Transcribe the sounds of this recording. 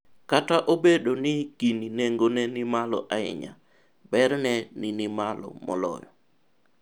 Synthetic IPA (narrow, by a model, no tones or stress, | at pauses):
kataʔobedonɪɡ̥inineŋɡonɛnɪmalɔʔaɪ̰ɲa̰ | bɛɾnɛninɪmalɔ̰mɔ̰lɔ̰jɔ